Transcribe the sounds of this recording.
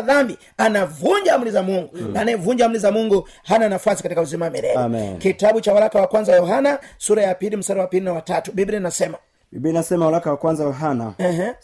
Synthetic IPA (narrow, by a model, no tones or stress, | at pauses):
ðambi | anavuɲd͡ʒam̩ulizamuŋɡunanɛvuɲd͡ʒam̩ulizamuŋɡu | hananafwasikatikauzimawamɛɾɛ̰ɛkitaɓut͡ʃawalakawakwanzawjɔɦanasuɾajapilim̩saɾawapilinawatatuɓibɾinasɛma | bibinasɛmawalakawakwanzajɔɦanaɛɦ